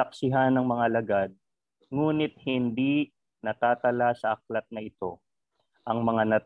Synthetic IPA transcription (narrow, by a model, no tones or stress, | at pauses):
ɐk̚sɪɦanɐŋmɐŋalɐɡad̪̚ | ŋuːnɪt̪̚hɪnd̪i | nɐt̪aːt̪ɐlasɐʔɐk̚lɐt̪̚nɐʔɪt̪o̞ | ʔɐŋmɐŋanɐ